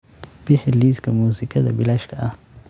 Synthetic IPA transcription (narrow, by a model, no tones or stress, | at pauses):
b̥iħɪlːiːskʰɐmuːsɪkʰɐðɐ̰bɪlaːʃkʰɐʔɐh